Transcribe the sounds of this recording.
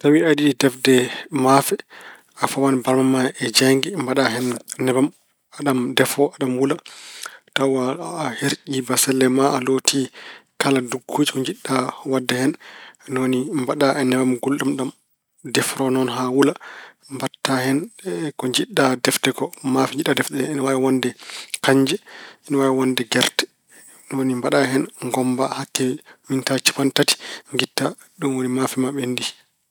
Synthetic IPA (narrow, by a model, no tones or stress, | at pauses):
tawiaɗiɗidɛfdɛmafɛ | afawanbaɾmamaɛd͡ʒaŋɡimbaɗaɦɛnnɛbam | aɗamdɛfɔaɗamwula | tawaheɾʔibasɛlːɛmaalotʰikaladuɡːud͡ʒikɔɲd͡ʒiɗːawadːɛhɛnnonimbaɗaʔɛnɛbamɡulɗumɗam | dɛfɾɔnɔnɦawula | mbatːahɛnkɔɲd͡ʒiɗadɛftɛkɔmafiɲd͡ʒiɗadɛfɗɛnwawɔndɛkaɲd͡ʒɛɛnɔwajɛwɔndɛɡɛɾtɛ̥ | nonimbaɗaɦɛnŋɡɔmbahakːɛwintat͡ʃi̥pantati̥ŋɡitːa | ɗumwonimafimaɓɛndi